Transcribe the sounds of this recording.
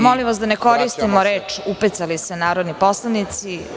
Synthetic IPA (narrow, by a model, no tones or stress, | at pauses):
moliʋas̬d̪aneko̞ɾist̪imoɾeːt͡ʃupit̪salisenaːɾod̪nipo̞slˠanit̪si